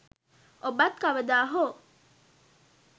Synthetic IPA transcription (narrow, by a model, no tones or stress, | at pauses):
obat̪̚kaʋəd̪aːɦo